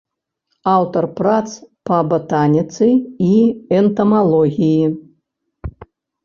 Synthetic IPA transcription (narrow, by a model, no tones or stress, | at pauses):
awt̪ɐrpɾat̪spɐbɐt̪anʲit̪sɨiɛnt̪ɐmalˠɔɣʲiji